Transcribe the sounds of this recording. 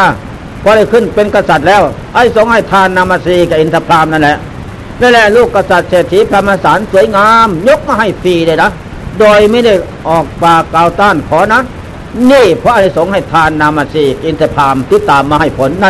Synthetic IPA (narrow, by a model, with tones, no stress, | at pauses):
a˧ | pʰɔː˧˦ɾa˧˩jkʰɯ˧˩˨npe˧˨nka˧˩sa˨˩t̪̚lɛː˧˥˩w | ʔa˧˨jso˨˦ŋha˧˩jt̪ʰaː˧nːaː˧maː˧siː˧˩ka˧˩ʔi˧˥nt̪ʰa˧pʰlaː˧˩˨mna˧˩nlɛ˧ʔ | na˧˥˨lɛ˧luː˧˩kːa˧sa˨˩t̪̚seː˨˩t̪ʰːi˧˥pʰa˧maː˧˨saː˨˦nsu˨˦əjŋaː˧mɲo˦˥k̚maː˧ɦa˧˩jfiː˧˩daː˧˨jna˦˥ | doː˧jma˧˥˦da˧˩j | ʔɔː˨˩k̚paː˧˩kaː˨˧wt̪aː˧˥˩nkʰɔː˨˦na˦˥˨ | niː˧˥˩pʰɔ˧ʔa˧a˧˩so˨˦ŋha˧˩jt̪ʰaː˧nːaː˧mːaː˧siː˧˩kʔi˧nt̪ʰa˧pʰlaː˧mt̪i˧˥t̪ːaː˨mːaː˧ha˧˩jpʰo˨˦nːa˧˨